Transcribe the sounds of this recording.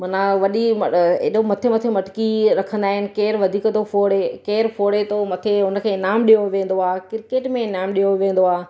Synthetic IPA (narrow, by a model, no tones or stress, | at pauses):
mɐnaʋɐɗimɐḛɗomɐt̪ʰemɐt̪ʰemɐʈkiɾɐkʰə̃nd̪aːɦɪnɪ̆keːɾʋɐd̪ʱiːkt̪ʰofʰoːɽekeːɾfʰoːɽet̪omɐt̪ʰeɦʊnə̆kʰeːɪnaːmɗijoʋẽːn̆d̪oaːkɪɾkeːʈmẽɪnaːmɗijoʋẽːn̆d̪oaː